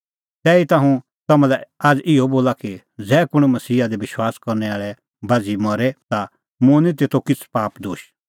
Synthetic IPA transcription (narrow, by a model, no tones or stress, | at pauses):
t̪ɛːit̪ãːɦũ | t̪ɐmãlɛaːd͡zʔɪoboːlaki | d͡zɛːkʊɽ̃mɐsiːad̪ebɪʃwaːskɔɾnɛaːɭɛ | bad͡zimɔɾɛt̪a | mʊ̃nĩt̪̬eːt̪ʰokɪt͡sʰpaːpd̪oːʃ